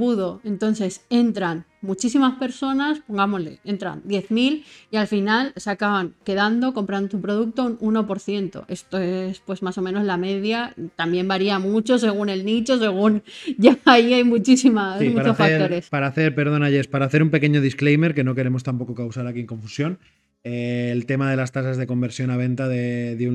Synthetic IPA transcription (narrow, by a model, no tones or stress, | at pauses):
buðo̞e̞nt̪o̞nθe̞se̞nt̪ɾanmut͡ʃisimaspe̞ɾso̞naspo̞ŋɡamo̞zle̞̰e̞nt̪ɾa̰nd̪je̞θmilialfinalsakaβaŋke̞ðand̪o̞ko̞mpɾand̪ot̪̬upɾo̞ðuk̚t̪o̞ununo̞po̞ɾθje̞nt̪o̞̰e̞st̪o̞espwe̞zmaso̞mẽno̞zlame̞ðjat̪ambje̞mbaɾiamut͡ʃo̞s̬e̞ɣ̞une̞lnit͡ʃo̞s̬e̞ɣ̞unʝaaiajmut͡ʃisimasimuaɾt͡ʃoθaɾo̞ɾe̞spaɾaːθe̞ɾpe̞ɾð̞o̞naʎe̞spaɾaːθe̞ɾumpe̞ke̞ɲoð̞isklejme̞ɾke̞no̞ke̞ɾe̞mo̞st̪ampo̞ko̞kawsaɾakieŋko̞ɱfusjo̞n | eːlt̪e̞mað̞e̞last̪asazðe̞ko̞mbeɾsjo̞naβ̞ẽ̞nt̪aðeðeu